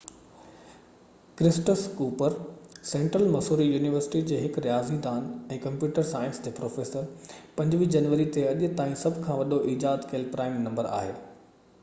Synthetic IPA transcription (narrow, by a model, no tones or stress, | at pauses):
kɾɪsʈəskuːpəɾsẽːɳʈɾəlmɐsuːɾijuːnɪʋəɾsɪ̥ʈid͡ʑeːɦɪkɾijaːzid̪aːnɛ̃ːkɐ̃mpjuːʈəɾsaːɪə̃nsd͡ʑeːpɾoːfeːsəɾpɐ̃ɲd͡ʑʋiːd͡ʑɐnʋəɾit̪eɐʄʊ̆t̪aːĩsɐbʱkʰãːʋɐɗoʔiːd͡ʑaːd̪keːlpɾaːɪmnɐ̃mbəɾa̰ːɦeː